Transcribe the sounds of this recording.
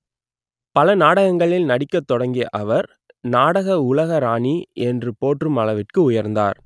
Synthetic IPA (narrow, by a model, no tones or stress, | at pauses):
pɐlɐnaːɽɐɣɐŋɡɐɭɪlnɐɽɪkːɐt̪ːɔɽɐŋɡɪjɐʔɐʋɐɾ | naːɽɐɣɐʊlɐɣɐɾaːɳiɛndrɯpoːʈrɯmɐɭɐʋɪʈ̚kɯʊjɐɾnd̪a̰ːɾ